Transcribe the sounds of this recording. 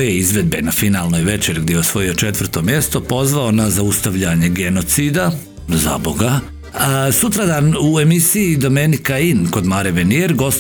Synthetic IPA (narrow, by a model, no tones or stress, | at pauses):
jeizʋe̞d̪benafinalˠno̞jʋe̞t͡ʃeɾɡd̪jejeosʋo̞jio̞t͡ʃe̞t̪ʋr̩t̪o̞mje̞st̪o̞po̞zʋaonazaust̪aʋʎaɲe̞ɡe̞no̞t̪siːd̪a | za̰bo̞ɡa | sut̪ɾad̪aːnue̞misiid̪o̞menikainko̞d̪maːɾeʋenieɾɡo̞s